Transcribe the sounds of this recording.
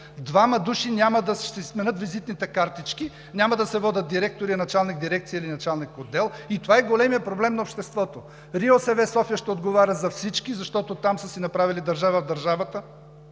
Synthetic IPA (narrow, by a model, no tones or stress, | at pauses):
d̪vamɐd̪uʃinʲamɐd̪ɐʃt̪ɛsmɛnɤt̪vizit̪nit̪ɛkaɾt̪it͡ʃki | nʲamɐd̪ɐsɛvɔd̪ʲɐt̪̚d̪iɾɛk̚t̪oɾiɐnɐt͡ʃalˠnik̚d̪iɾɛk̚t̪siəilinɐt͡ʃalˠnikod̪ːɛlˠit̪ovaɛɡolɛmijəpɾoblɛmnɐopʃt̪ɛst̪vɔt̪o | ɾiosɛvɛsɔfijəʃt̪ɛod̪ɡovaɾʲəzɐfsit͡ʃkizɐʃt̪ɔt̪ot̪amsəsinɐpɾavilid̪ɐɾʒavəvd̪ɐɾʒavət̪ə